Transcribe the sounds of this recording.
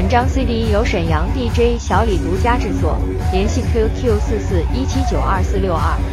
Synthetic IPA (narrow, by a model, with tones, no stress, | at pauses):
ə˨˩nʈ͡ʂɑ˥ŋswe˥ɪli˧˥jo˧˥ʊʂə˨˩njɑ˧˥ŋt̪i˥˩ʈ͡ʂwe˥ɪɕjɑ˧˥ʊli˨˩t̪u˧˥t͡ɕja˥ʈ͡ʂɻ̩˥˩˧t͡swɔ̰˨˩ | ljɛ˧˥nɕi˥˩kʰi˥kʰjsɹ̩˥˧sɹ̩˥˩i˥t͡ɕʰi˥t͡ɕjo˨˩ʊʔɐ˥˧˩sɹ̩˥˧ljo˥˧ʊɐ˥˩